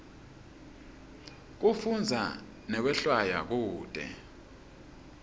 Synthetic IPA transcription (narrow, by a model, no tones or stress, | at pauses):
k̬ufund͡zʱa̰ | nɛk̬wɛɬwajak̬uːtʼɛ̰